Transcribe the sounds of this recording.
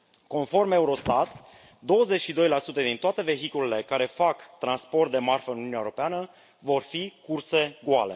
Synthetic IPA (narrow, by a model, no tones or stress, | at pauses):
ko̞nfo̞rme̞uɾo̞st̪at̪ | d̪o̞wəzet͡ʃʃid̪o̞jlasut̪əd̪int̪oat̪e̞ve̞ɦikulele̞kaɾe̞fakt̪ɾanspo̞rt̪̚d̪e̞marfəɨnnunjaeuɾo̞peanə | vo̞rfikurse̞ɡuale